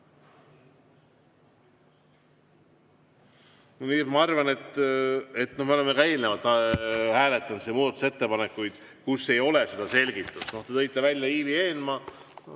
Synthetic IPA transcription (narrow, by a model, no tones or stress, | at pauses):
noniːemɑɑrvɑne̞t̪ːˑet̪ːno̞hme̞olemekɑe̞ːlnevɑt̪ːˑɑhæːle̞t̪ːˑɑnt̪semuːd̪ɑt̪use̞t̪ːe̞pɑnekːˑujd̪̥ | kusːe̞jo̞le̞se̞d̪ɑse̞lʲɡ̥it̪ːˑusno̞ht̪e̞t̪ɤjt̪ːˑevælʲjɑiːvie̞ːlmɑ